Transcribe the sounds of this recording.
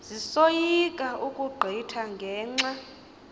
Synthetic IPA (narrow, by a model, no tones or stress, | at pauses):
zisojikʼaʔukʼuɡ͡ǃʱitʰaŋɡʱɛːŋ͡ǁa